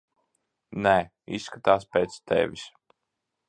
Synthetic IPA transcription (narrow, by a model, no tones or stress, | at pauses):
nɛ | ḭsːkat̪aːspɛːt̪st̪ʰɛ̰vʲis